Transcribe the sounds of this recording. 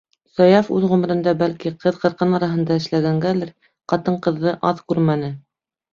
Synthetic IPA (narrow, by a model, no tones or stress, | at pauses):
sɑjɑfʉðʁɵ̆mɘ̆ɾɘ̆nd̪ɑbælkiqʰɤðqɤ̆ɾqɤnɑɾɑɦɤ̆nd̪ɑɘ̆ʃlæɡæŋɡælɘɾ | qɑt̪ɤɴqɤ̆ðːɤʔɑðkʉɾmænɘ